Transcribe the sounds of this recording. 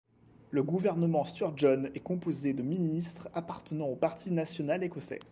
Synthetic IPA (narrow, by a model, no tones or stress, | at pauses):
ləɡuvɛʁnəmɑ̃st̪yʁʒɔnɛkɔ̃pozed̪əminist̪χapaʁt̪ənɑ̃opaʁt̪ʰinasjɔnalekɔsɛ̰